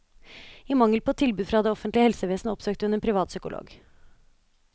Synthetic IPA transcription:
iːmɑŋəlpʰoːt̪ʰɪlbʉːd̪fɾɑːd̪eːɔfənt̪lɪəhɛlsəʋeːsnəɔpsøːk̚t̪ʉneːnpʰɾɪʋɑːt̪sʏkʊlʔo̰ːɡ

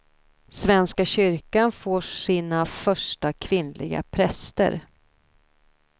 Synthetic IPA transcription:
svɛnskaɕʏɾkanfoːʂiːnafœʂʈakʰvɪnlʔɪ̰ɡa̰pʰɾɛst̪ə̰ɾ

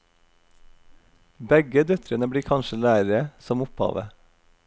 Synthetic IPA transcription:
bɛɡəd̪œt̪ʰɾənəbɽiːkʰɑnʃəlæːɾəɾəsɔmʊphɑ̰ːʋə̰

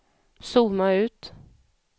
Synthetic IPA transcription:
suːmaʉ̟ːt̪

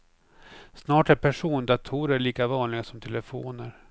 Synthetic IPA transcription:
snɑːʈæɾpʰæʂuːnd̪at̪ʰuːɾəɭiːkavɑːnlɪɡasɔmt̪ʰɛləfo̰ːnəɾ

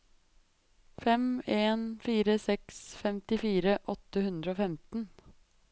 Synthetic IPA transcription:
fɛmeːnfiːɾəsɛksfɛmt̪ɪfiːɾəʔɔt̪ːəhʉnd̪ɾəoːfɛmt̪n̩

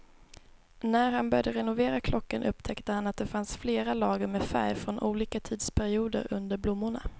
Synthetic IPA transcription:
næɾhanbœɾjd̪əɾɛnʊveːɾakʰlɔkːənʔɵpt̪ʰɛkt̪əhanat̪̚d̪ɛfansfleːɾalɑːɡəɾmɛfæ̰ɾjfɾɔnʔuːliːkat̪ʰiːd̪spʰæɾɪuːd̪ə̰ɾɵ̰nd̪əɾblʊmːʊɳa̰

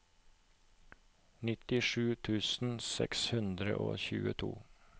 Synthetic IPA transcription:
nɪt̪ɪʂʉːt̪ʰʉːsn̩sɛ̰kshʉnd̪ɾəʔo̰ːçʉ̰ːət̪ʰṵː

